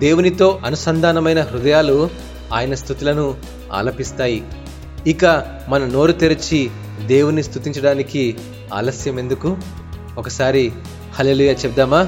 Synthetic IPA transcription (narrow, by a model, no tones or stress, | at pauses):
d̪e̞ːwunit̪o̞ːʔɐnusɐnd̪ʱaːnɐmɐjnɐɦɾud̪ɐjaːlu | a̰ːjɐnɐst̪ut̪ilɐnu | a̰ːlɐpist̪aːji | ikɐ | mɐnɐno̞ːɾut̪iɾɐt͡ʃi | d̪e̞ːwunist̪ut̪iɲt͡ʃɐɽaːniki | a̰ːlɐsjɐme̞nd̪uku | okɐsaːɾi | hɐleːluːjaːt͡ʃɛb̚d̪aːmaː